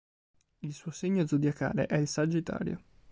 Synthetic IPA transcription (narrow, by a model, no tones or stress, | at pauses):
ilsuoseɲːod̪zud̪jaka̰ːlḛʔɛilsad͡ʒit̪a̰ːɾjo̰